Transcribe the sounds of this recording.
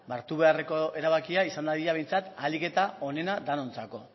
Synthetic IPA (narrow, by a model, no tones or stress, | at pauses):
baɾt̪uβ̞e̞are̞ko̞e̞ɾaβ̞akiaisand̪aðiʎaβ̞e̞jnt͡sat̪alike̞t̪ao̞ne̞nad̪ano̞nt͡sako̞